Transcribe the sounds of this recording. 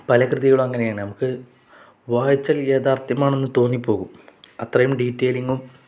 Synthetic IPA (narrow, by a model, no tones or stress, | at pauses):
pɐlɐkrɨðiɣɐɭumɐŋːɐne̞jaːɳɨnɐmukːɨ | ʋaːjit͡ɕːɐleːðaːrt̪jɐmaːɳe̞nːɨt̪o̞ːnːipːo̞ːɣumɐt̪rɐjumɖiːʈːeːliŋɡum